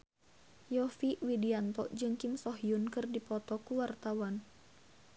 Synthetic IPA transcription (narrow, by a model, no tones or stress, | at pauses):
jɔfiwidiant̪ɔʔd͡ʒɨŋkimsɔɦiunkɨrdipɔt̪ɔkuwart̪awan